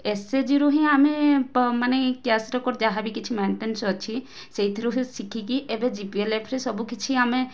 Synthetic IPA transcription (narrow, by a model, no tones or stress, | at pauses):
esed͡ʒiɾuɦĩamemanekjasɾɔkɔɾd͡ʒaɦabikit͡ʃʰimaɳʈensɔt͡ʃʰi | sejt̪ʰiɾuɦĩsikʰikiʔebed͡ʒipielepʰɾesɔbukit͡ʃʰiame